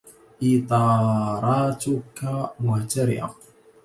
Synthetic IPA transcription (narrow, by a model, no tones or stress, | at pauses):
ʔiːt̪ˤɑːɾˤɑːt̪ʊkamʊht̪aɾɪ̰ʔa̰